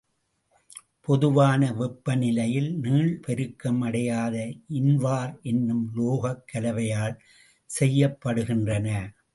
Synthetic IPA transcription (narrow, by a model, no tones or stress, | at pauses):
pɔðɯʋaːnɐʋɛpːɐnɪlɐjɪlniːɭpɛɾɯkːɐmɐɽɐjaːðɐʔɪnʋaːɾɛnːɯmloːɣɐkːɐlɐʋɐjaːl | sɛjːɐpːɐɽɯɣɪndrɐnɐ